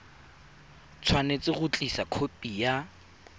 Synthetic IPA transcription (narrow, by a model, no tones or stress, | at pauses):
t͡sʰwanet͡sʼɪɣʊt͡ɬʼisakʰopʼija